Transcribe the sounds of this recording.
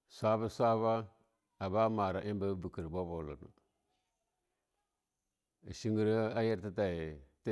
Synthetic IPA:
sʷa˦ba˦sʷa˦ba˦ | a˨ba˦ma˨ɾa˨ʔi˦m˦ba˦bi˨ki˨ɾbo˦bo˨la̰˨na̰˨ | ʃi˦ŋɡi˦ɾa˦ja˦ɾta˦ta˨t

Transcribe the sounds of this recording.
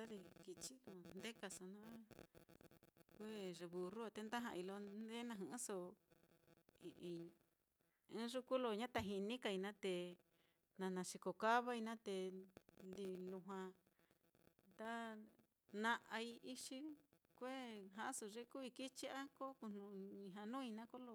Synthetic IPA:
a˦ɾi˧ki˧t͡ʃi˦lo˧nd̪e˦ka˧sa˧nã˦ | kʷe˦ʐe˧βu˧ru˦a˧t̪e˧nd̪a˦ɦã̰˧ʔi˧lo˧d̪e˦nã˧ɦũ˧˦so˧ | i˨˧ʔĩ˧ | ẽ˦ʐu˦ku˦lo˧ɲã˦t̪a˧ɦi˧nĩ˦ka˧˨i˧nã˦t̪e˧ | nã˧nã˨ʃi˧ko˧˨ka˦βa˦i˧nã˦t̪e˧ | d̪i˧lu˧ɦwã˧ | nd̪a˦ | nã˧ʔa˧i˧i˧ʂi˧kʷe˦ɦã˧ʔso˧ʐe˦ku˦βi˧ki˦t͡ʃi˦a˦ko˦ku˧n̥ũ˧ɲĩ˧ɦã˧nũː˦i˧nã˦ko˦lo˧

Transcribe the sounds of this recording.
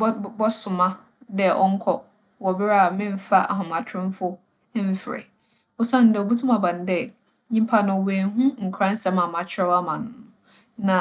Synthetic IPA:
bɔ˦sʊ˨mã˦ | dɛ˦˨ʔɔ̰˦ŋ̩˦kʰɔ̰˦ | wɔ˨bɪ˦ɾa˦˨mɪ̃˦m˨˦fa̰˦ʔa˨ɦʊ̃˨mã˨tʰɾɪ̃˦fʊ˦ | m̩˦fɾɛ̰˨ | ɔ˦sã˦˨n̩˦dɛ˨o˨bu˦tʰũ˦mã˨bã˨n̩˦dɛ˨ | ɲĩ˦mpʰa˦nã˨wẽ˨n˦ɦũ˦ŋ̩˨kʰɾã˦n̩˦sɛ˨mã˨mã˨t͡ɕʰɪ˦ɾɛ˦wa˦mã˨nʊ̃˦ | nã˨

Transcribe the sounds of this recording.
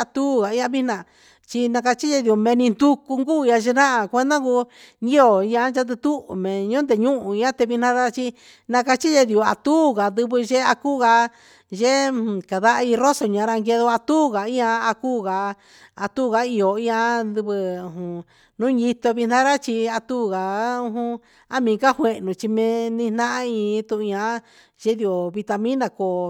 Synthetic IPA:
a˧t̪u˦˨ɣa˨i˦ã˧βi˦nã˨ | t͡ʃi˧nã˧ka˧t͡ʃi˦je˧ði˧˨u˨˧˨mẽ˧nĩ˧nd̪u˧ku˧ŋɡu˦˨˧ã˧ʒe˧nã˦ʔa˨kʷe˧nd̪ã˦ku˧ | ɲi˦o˨i˧ã˧˦nt͡ʃa˧˦t̪̬ɨ˧t̪u˦˨mẽ˨ɲũ˦nd̪e˨ɲũ˦ʔũ˨i˧ã˦t̪e˧βi˧nã˦ɾa˦t͡ʃi˧ | nã˧ka˧t͡ʃi˦ʒe˧ði˨u˨a̰˧t̪uː˦˨ɣa˨d̪ɨ˧βɨ˧ʒe˦a˧ku˦˨ɣa˧ | ʒẽ˦˨ka˨ða˦ʔi˧ro˦so˨ɲã˨˧ɾa˧ŋɡe˧ðo˧a˧t̪uː˦˨ɣa˨ĩ˦ã˧a˧kuː˦˨ɣa˨ | a˧t̪u˦˨ɣa˧˦i˧o˨ĩ˧ã˧d̪ɨ˧βɨ˧u˧˨ɦũ˧ | nũ˦ji˧t̪o˧βi˧nã˦ɾa˦t͡ʃi˧a˧t̪uː˦˨ɣa˨ũ˧ɦũ˧ | a˦mĩː˨˧ka˦hwe˧ʔnũ˨t͡ʃi˧mẽ˧nĩ˧n̥nã˦ʔã˦ĩ˧t̪ũ˧ʔã˧˦ | ʒe˦ði˧˨o˨βi˧t̪a˧mĩ˦nã˧ko˨

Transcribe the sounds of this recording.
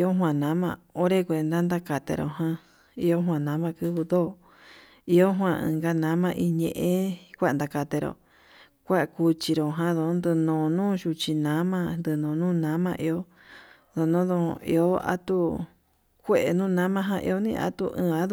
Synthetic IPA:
i˧o˦ɦwã˧˨nã˨˦mã̰˧˨o˦ɾe˦kʷe˧˨˧nd̪a˦nd̪a˦ka˨t̪ḛ˧ɾo̰˧˨ɦã˧ | i˦o˦ɦwã˧nã˨˦mã˧kɨ˦βɨ˧ðoː˦˨ | i˧o˦ɦwã˧ɨ̰̃˧ŋɡa˧nã˦mã˧ʔi˧ɲḛ̃˧ʔẽ˦kʷa˦˧nd̪a˧ka˨t̪e˧ɾo̰˨ | kʷa˦ʔku˧t͡ʃi˧ɾo˨ɦã˦ðo˧˨˦nd̪ɨ˧nõː˨nũː˦ʃu˧t͡ʃi˧nã˨˦mã˧nd̪ɨ˧nõ˨nũː˦nã˨˦mã̰˧ʔi˧o˦ | ðo˨nõ˦ðõ̰˧ḭ˧o˦a̰˦t̪u˦ | kʷe˦ʔe˨nũː˦˨˧nã˦mã˧˦ɦã˧ʔḭ˧o˦nĩ˧ʔa̰˧˦t̪u˧ʔɨ̰̃ː˧˨a˦ðu˦˧

